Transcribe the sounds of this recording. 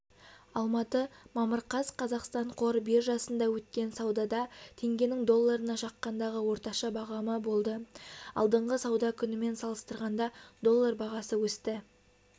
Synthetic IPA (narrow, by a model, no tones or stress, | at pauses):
ɑlˠmɑt̪əmɑməɾqɑzqʰɑzɑqst̪ɑɴqʰo̞ɾbeɾʒɑsənd̪ɑwɵt̪kʲe̞nsɑwd̪ɑd̪ɑt̪ʰe̞ŋɡʲe̞nɪŋd̪o̞lˠːɑɾənɑʃɑqːɑnd̪ɑʁəwo̞ɾt̪ɑʃɑbɑʁɑməbo̞lˠd̪əɑ̰lˠd̪əɴʁəsɑwd̪ɑkʲʰʏnɪme̞nsɑlˠəst̪əɾʁɑnd̪ɑd̪o̞lˠːɑrbɑʁɑsəwɵst̪ɪ